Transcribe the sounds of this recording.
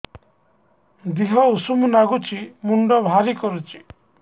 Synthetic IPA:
d̪iɦɔusumunaɡut͡ʃʰimuɳɖɔbʱaɾikɔɾut͡ʃʰi̥

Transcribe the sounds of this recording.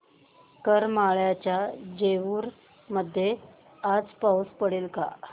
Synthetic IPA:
kəɾmaɭjat͡ɕjad͡ʑeʋuːɾ | məd̪ʱːje | ad͡zpauspəɽelka̰

